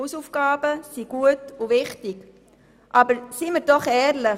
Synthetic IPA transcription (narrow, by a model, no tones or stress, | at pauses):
usufɡ̥ɑːbəsiɡ̥uətuʋɪχtiɡ̥ | ʔɑbəɾsiməɾdɔχɛːɾlɪ